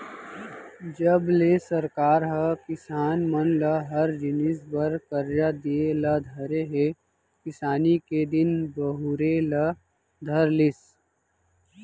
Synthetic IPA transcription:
d͡ʒəblesəɾkaːɾɦəkɪsaːnmənlɐɦɐɾd͡ʒɪnɪsbəɾkəɾjad̪ielad̪ʱəɾeɦe | kɪsaːniked̪ɪnbəɦʊɾelɐ | d̪ʱəɾlɪs

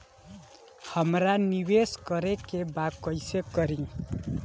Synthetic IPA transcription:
hʌmɾanibeskʌɾekebakʌjsekʌɾĩ

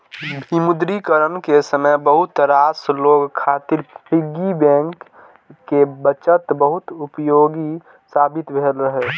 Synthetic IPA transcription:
bʱimʊd̪ɾikəɾənkesəməjbəɦʊt̪ɾaːsloːɡkʰaːt̪ɪɾpʰɪɡibɛ̃ːŋkː | ebət͡ʃət̪bəɦʊt̪ʊpjoːɡi | saːbɪt̪bʱeːlɾəɦe

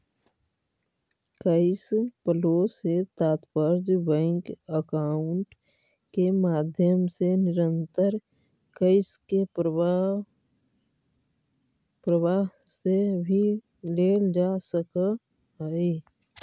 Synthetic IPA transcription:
kəɪspəloset̪aːt̪pəɾd͡ʒbɛ̃ŋkəkaːʊɳʈ | kemaːd̪ʱjəmsenɪɾə̃nt̪əɾ | kəɪske | pɾəwaɦ | sebʱi | leːld͡ʒasəkə | ɦəi

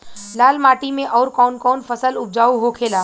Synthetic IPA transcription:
laːlmaːʈimẽʔɔːɾkɔːnkɔːnfəsəlʊb̚d͡ʒaːuɦokʰeːlaː

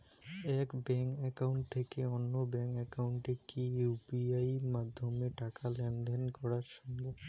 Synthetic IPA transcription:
ɛkbɛŋkɛkawɳʈ̚t̪ʰekeonːobɛŋkɛkawɳʈekijubiajmad̪ʱːomeʈakalɛnd̪enkɔɾaɾʃɔme

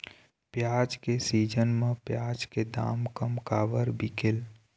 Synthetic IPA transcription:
pjad͡ʒkesid͡ʒənmẽpjad͡ʒked̪a̰ːmkəmkaːbəɾbikel

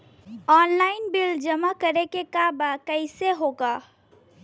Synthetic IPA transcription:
ɔːnlaɪnbild͡ʒəmakəɾekekabakəɪseɦoɡa

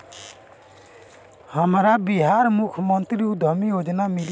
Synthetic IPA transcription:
həmɾabiɦaɾmukʰmʌnt̪ɾiud̪ʱʌmijod͡ʒnamil

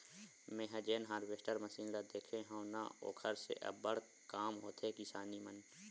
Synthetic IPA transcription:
mẽːɦəd͡ʒeːnɦaːɾbeːsʈəɾməsiːnɾad̪eːkʰeɦõna̰o̰ːkʰəɾsḛʔɐ̰bəɽ̤ | kaːmɦoːt̪ʰekɪsaːnimən

